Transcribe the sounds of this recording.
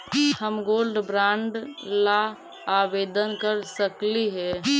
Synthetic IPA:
əmɡoːlɖbɾãɳɖlaː | bed̪ənkəɾsəkliɦɛ

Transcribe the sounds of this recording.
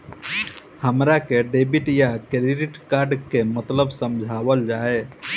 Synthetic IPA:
həmɾakeɖebiʈjakɾiɖiʈkaɾɖkemət̪ləbsəmd͡ʒʱabəld͡ʒae

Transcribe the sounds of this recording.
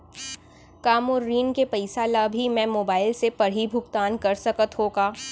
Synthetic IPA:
kaːmɔːɾːiːnkepɐɪsaːlabʱimɛ̃moːbaːɪlsepɐɽ̤ibʱʊɡt̪aːnkɐɾsɐkət̪ɦoːɡaː

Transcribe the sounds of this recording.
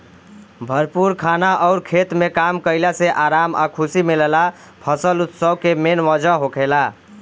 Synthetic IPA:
bʱəɾpuɾkʰanaʔɔʊɾkʰet̪mekamkəɪlaseʔaɾama̰kʰusimilla | pʰəsəlut̪səbkemenʋəd͡ʒəɦokʰela

